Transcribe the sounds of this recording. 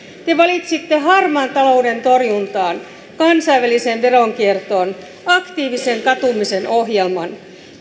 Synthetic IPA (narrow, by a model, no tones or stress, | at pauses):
t̪e̞ʋɑlit̪sit̪ːeɦɑrmɑːnt̪ɑlo̞ude̞nt̪o̞rjunt̪ɑːn | kɑnsɑiʋælisenʋe̞ɾoŋkiert̪oːn | ɑkt̪iːʋise̞ŋkɑt̪umisenoɦjelmɑn